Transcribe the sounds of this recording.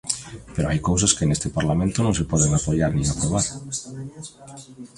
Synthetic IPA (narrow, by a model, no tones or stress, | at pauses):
peɾoajkowsaskenest̪ɪpaɾlamẽnt̪ʊnõŋsepɔðeŋapoʎaɾnĩŋapɾoβaɾ